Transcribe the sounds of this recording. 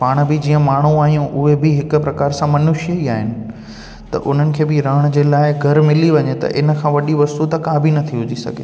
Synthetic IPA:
paːɽ̃bɪd͡ʑiːə̃maːɳ̤uaːɦijũʔʊɦebɪɦɪkʊ̆pɾɐkaːɾsãmɐnʊʃəiaːɦɪnɪ̆ | t̪ɐ̰ʔʊn̤ənɪ̆kʰeːbɪɾɐɽ̃d͡ʑeːlaːɪɡʱɐɾmɪliʋɐɲet̪ɐ̰ʔɪnə̆kʰãːʋɐɗiʋɐst̪ut̪ɐkaːbʱinɐt̪ʰiuʊd͡ʑisɐ̰ɡʱḛ

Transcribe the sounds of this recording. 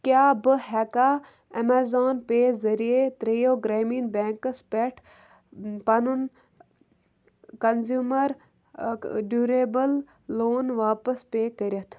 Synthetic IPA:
kjaːbɨhɛːkaː | ɐmaːzoːnpeːzɐɾijet̪ɾejoːɡɾeːminbeːŋkɐspeʈʰ | pɐnun | kɐnzjuːmɐɾ | ɖuːɾeːbɐlː | oːnʋaːpɐspeːkəɾʲɐt̪ʰ

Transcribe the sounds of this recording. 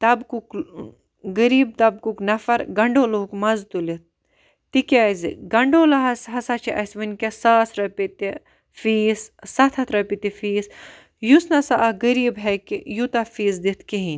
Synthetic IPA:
t̪ɐbkuk | ɡəɾiːb̚t̪ɐb̚kuknɐfɐɾɡɐɳɖoːloːkmɐzt̪ulit̪̚ | t̪ikʲazḭɡɐɳɖoːlɐɦɐsɦɐsat͡ʃʰiʔɐsʋɐnʲkʲesaːsɾɐpit̪i | fiːssɐt̪ʰɐt̪ʰɾɐpit̪ifiːs | jusnɐsaʔɐɡəɾiːbɦɐkijut̪ɐfiːzd̪it̪ʰkiɦĩn

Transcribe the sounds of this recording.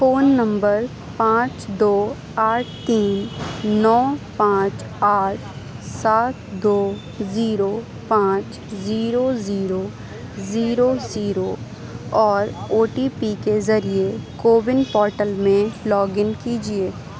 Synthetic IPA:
foːnːɐ̃mbəɾ | pãːt͡ʃd̪oː | aːʈʰt̪iːnːɔːpãːt͡ʃ | aːʈ̚ʰ | saːt̪̚d̪oː | ziːɾo | pãːt͡ʃ | ziːɾoziːɾo | ziːɾoziːɾo | ɔːɾoːʈipikezɐɾiekoːbɪnpɔːɾʈəlmẽlɔːɡɪnkiːd͡ʒieː

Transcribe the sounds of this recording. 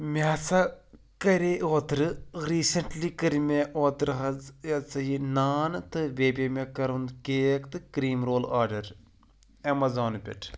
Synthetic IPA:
mʲaːt͡sɐ | kɐɾeːʔoːt̪ɾɨɾiːsɐɳʈliːkəɾimʲeʔoːt̪ɾɦɐzjɐt͡sɐjinaːnɨt̪ɨʋʲeːbʲemʲekɐɾund̪keːkt̪ɨkɾiːmɾoːlaːɾɖɐɾ | ɐmɐzoːnpʲɐ̰ʈʰ

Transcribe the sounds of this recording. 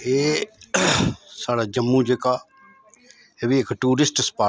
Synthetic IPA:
eː | saːɽad͡ʒəmːud͡ʒeka | ebieːkʈuːɾɪsʈspaː

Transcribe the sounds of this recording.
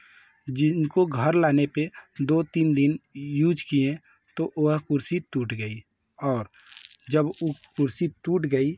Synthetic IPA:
d͡ʒɪnkoɡʱəɾlaːneped̪ot̪iːnd̪ɪnjuːd͡ʒkiẽ | t̪oʔoɦkʊɾsit̪uːʈʰɡəi | ɔːɾ | d͡ʒəbokʊɾsit̪uːʈɡəi

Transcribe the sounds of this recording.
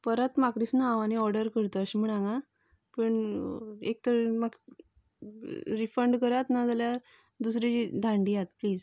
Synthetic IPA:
pəɾət̪makɾisnaãʋaniɔɾɖəɾkəɾt̪əɕm̤əɽ̃ãŋɡa | pəɳ | ek̚t̪əɾmaɡ | ɾifəɳɖkəɾat̪nad͡zaljaɾ | d̪us̬ɾit͡ɕid̪ʱãɳɖijat̪pliːd͡z

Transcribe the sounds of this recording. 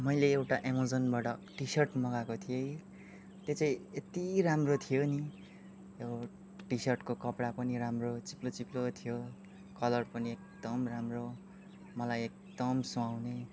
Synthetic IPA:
mʌjleːwʈaʔemod͡zʌnbaʈʌʈisʌrʈmʌɡakot̪ʰijej | t̪jet͡sʌĩet̪iɾamrot̪ʰijoni | jo | ʈisʌrʈkokʌpɽapʌniɾamrot͡siplot͡siplot̪ʰijo | kʌlʌrpʌniek̚d̪̥ʌmramro | mʌlajek̚d̪ʌmsoawne

